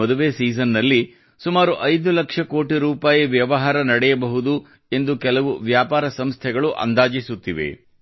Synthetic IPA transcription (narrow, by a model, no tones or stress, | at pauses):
ɔd̪uʋesiːsɐnːɐlːi | sumaːɾuʔɐjd̪ulɐkʂɐko̞ːʈiɾuːpaːjɐʋjɐʋɐɦaːɾɐnɐɽɛjɐbɐɦud̪u | e̞nd̪ukɛlɐʋuʋjaːpaːɾɐsɐmst̪ʰɛɡɐɭuʔɐ̰nd̪aːd͡ʒisut̪ːiʋḛ